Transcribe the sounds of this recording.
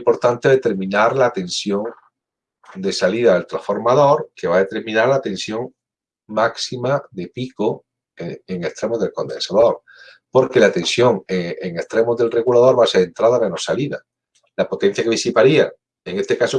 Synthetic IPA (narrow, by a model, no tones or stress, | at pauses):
mpo̞ɾt̪ant̪eðet̪e̞ɾmĩnaɾlat̪ẽ̞nsjo̞ŋ | d̪e̞saliðaðelt̪ɾasfo̞ɾmaðo̞ɾke̞βaðe̞t̪e̞ɾmĩnaɾlat̪ẽ̞nsjõ̞ŋ | maksimaðepiko | eŋe̞st̪ɾe̞mozðe̞lko̞nd̪ensaðo̞ɾ | po̞ɾke̞lat̪e̞nsjo̞ŋeeŋest̪ɾe̞mozðe̞lre̞ɣulaðo̞ɾβaseɾe̞nt̪ɾaðamẽnosaliða | lapo̞t̪e̞n̟θjakeβ̞isipaɾia | eŋe̞st̪e̞kaso